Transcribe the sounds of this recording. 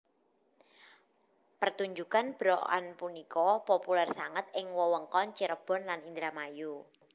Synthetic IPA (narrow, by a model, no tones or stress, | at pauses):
pərt̪uɲd͡ʒukanb̥ɾɔʔa̰npunikɔpopulɛrsaŋət̪̚ɪŋwɔwəŋkɔnt͡ʃiɾəb̥ɔ̤nlanind̪ɾamaju